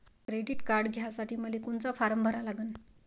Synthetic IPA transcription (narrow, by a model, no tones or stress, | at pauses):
kɾeɖiʈkaɾɖɡʱjasaʈʰiːməlikoɳt͡safaɾəmbʱəɾalaɡəːn